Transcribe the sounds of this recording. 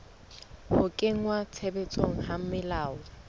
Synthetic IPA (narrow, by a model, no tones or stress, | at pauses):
hʊkʼeŋ̩wat͡sʰebɛt͡sʼoŋ̩ham̩mɪlaːʊ